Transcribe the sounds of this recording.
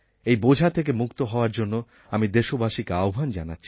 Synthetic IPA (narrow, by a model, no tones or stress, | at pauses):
ejbod͡ʑʱat̪ʰek̬emukt̪oɦɔoaɾd͡ʑonːo | amid̪eʃobaʃikaobʱand͡ʑa̰natːɕʰi̥